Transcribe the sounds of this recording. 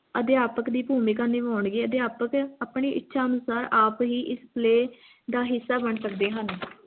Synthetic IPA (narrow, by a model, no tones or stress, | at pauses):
əd̪ɪjaːpəkd̪iːpuːmiːkaːneːʋaːʊɳɡeːəd̪jaːpəkaːpɳiːʔɪtːʃʰaːɦənʊsaːɾaːpɦiːʔɪspleː | d̪aːɦɪsːaːbəɳsək̚d̪eːɦən